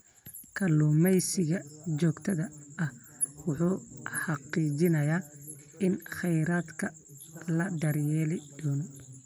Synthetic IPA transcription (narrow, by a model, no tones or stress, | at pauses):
kʰɐluːmɛjsɪɣɐt͡ʃɔːɡt̪ʰɐðɐɐhwʊħuːħɑqiːt͡ʃɪnɐjaː | ɪnχɛjɾaːd̪kʰɐ | lɐɖɐɾjɛːlɪd̪̥ɔːnɔ